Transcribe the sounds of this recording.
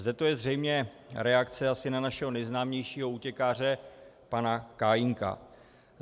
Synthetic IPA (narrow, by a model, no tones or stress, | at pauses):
zdɛt̪o̞jɛzr̝ɛjmɲɛ | ɾɛakt͡sɛasɪnanaʃɛɦo̞nɛjznaːmɲɛjʃiːɦo̞uːcɛkaːr̝ɛ | panakaːjɪŋka̰